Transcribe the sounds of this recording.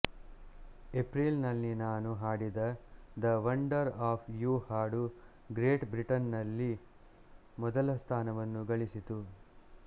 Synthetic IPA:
epɾiːlnɐlːinaːnuɦaːɽid̪ɐd̪ɐʋɐɳɖɐɾaːpʰjuːhaːɽu | ɡɾeːʈbɾiʈɐnːɐlːi | mɔd̪ɐlɐst̪ʰaːnɐʋɐnːuɡɐɭisit̪u

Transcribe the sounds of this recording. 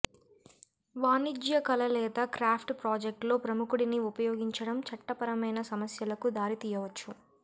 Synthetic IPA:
ʋaːnid͡ʒjɐkɐlɐlɛːt̪ɐkɾaːpʰʈpɾaːd͡ʒek̚ʈlo̞ːpɾɐmukuɽiniupɐjo̞ːɡiɲt͡ʃɐɽɐmt͡ʃɐʈːɐpɐɾɐmɐjnɐsɐmɐsjɐlɐkud̪aːɾit̪iːjɐʋɐt͡ʃːu

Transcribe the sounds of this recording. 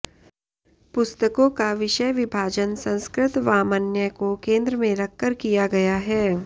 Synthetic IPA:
pʊst̪əkõkaʋɪʃəjʋɪbʱaːd͡ʒənsɐ̃nskɾɪt̪ʋaːmənjəkokẽːnd̪ɾəmẽɾɐkːəɾkijaɡɐjaɦɛː

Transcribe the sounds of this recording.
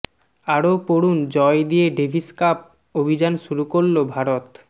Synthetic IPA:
aɾopoɾund͡ʑɔed̪ijeɖebʱiskap̚ | obʱid͡ʑanʃuɾukoɾlobʱaɾot̪

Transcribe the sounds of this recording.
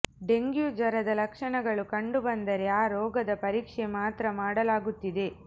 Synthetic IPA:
ɖe̞ŋɡjud͡ʒɐɾɐd̪ɐlɐkʂɐɳɐɡɐɭukɐɳɖubɐnd̪ɐɾe̞aːɾɔːɡɐd̪ɐpɐɾiːkʂemaːt̪ɾɐmaːɽɐlaːɡut̪ːid̪e̞

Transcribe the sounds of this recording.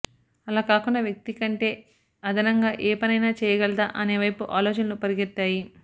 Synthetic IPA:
ɐlaːkaːkunːɐʋjɐk̚t̪ikɐɳʈe̞ː | ɐd̪ɐnɐŋɡaːʔeːpɐnɐjnaːt͡ʃɛːjɐɡɛlɐd̪aːʔɐne̞ːʋɐjpuʔaːloːt͡ʃɐnɐnupɐɾiɡiɾt̪ːaːji

